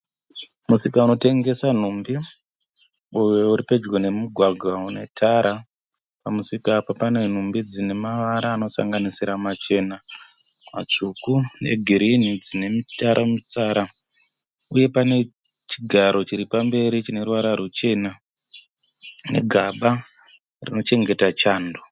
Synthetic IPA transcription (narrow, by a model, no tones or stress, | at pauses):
musikauno̞te̞ŋɡe̞san̤umbi | ujeuɾipe̞d͡ʒɡone̞muɡʱwaɡʱwaune̞tʰaɾa | pamusikapapane̞n̤umbid͡zine̞maʋaɾaːno̞sa̰ŋɡanisiɾamat͡ʃe̞namat͡ʂukune̞̰ɡʱiɾinid͡zine̞mitaɾʔamit͡saɾa | uje̞pane̞ | t͡ʃiɡʱaɾo̞t͡ʃiɾipambe̞ɾit͡ʃine̞ruwaɾaɾut͡ʃe̞na | ne̞̰ɡʱaɓa | rino̞t͡ʃe̞ŋɡe̞tat͡ʃaːndo